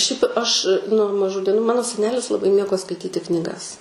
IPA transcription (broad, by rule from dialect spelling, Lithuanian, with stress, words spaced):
ʃʲɛɪp ɐʃ nuɔ mɐˈʒuː dʲiɛˈnuː ˈmɑːnoː sʲɛˈnʲæːlʲɪs lˠɐˈbɐɪ ˈmʲeːɡoː skɐɪˈtʲiːtʲɪ knʲiːˈɡɐs